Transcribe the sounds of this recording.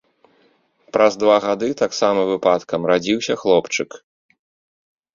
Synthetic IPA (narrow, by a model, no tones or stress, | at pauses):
pɾɐzd̪vaɣad̪ɨt̪aksamɐvɨpat̪kɐmrad͡zʲiwsʲɐxlˠɔpt͡ʂɨk